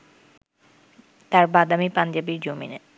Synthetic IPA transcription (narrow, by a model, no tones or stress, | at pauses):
t̪aɾbad̪amipand͡ʑabiɾd͡ʑomḭne